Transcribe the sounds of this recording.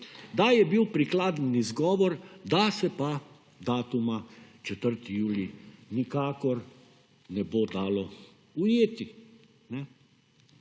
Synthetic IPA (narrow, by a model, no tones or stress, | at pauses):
d̪ajɛbiwpɾiklaːd̪nizɡɔːʋɔɾd̪asɛpa | d̪aːt̪umat͡ʃɛt̪əɾt̪ijuːlinikaːkɔɾ | nɛboːd̪aːlɔ | ujeːt̪i | nɛ